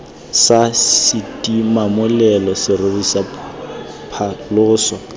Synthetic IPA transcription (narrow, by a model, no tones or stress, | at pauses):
sasɪtʼimamʊlɛlɔsɪrɪbisa | pʰalʊːsɔ